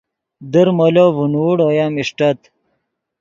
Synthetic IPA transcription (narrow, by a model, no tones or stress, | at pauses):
d̪əɾmolovunuːɽojamiʂʈɐt̪